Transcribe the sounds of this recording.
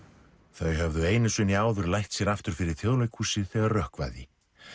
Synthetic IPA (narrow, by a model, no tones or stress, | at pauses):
θœɥɦœvðʏeːjnɪsʏniaːwðʏɾlajht̪sjɛɾaft̪ʏɾ̥fɪɾɪɾ̥θʰjoðlejkhuːsɪθɛɣaɾrœhkva̰jðɪ